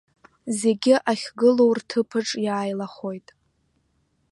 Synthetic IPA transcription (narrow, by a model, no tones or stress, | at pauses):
ze̞ɡʲɪʔaχʲɡɨlo̞wrtʰɨpʰɨʈ͡ʂʼjaːjlaχo̞jtʼ